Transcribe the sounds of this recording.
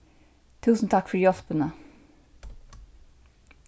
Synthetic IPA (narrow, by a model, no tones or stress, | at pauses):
t̪ʰuːsən̩t̪ʰakfəɹjɔɬpənə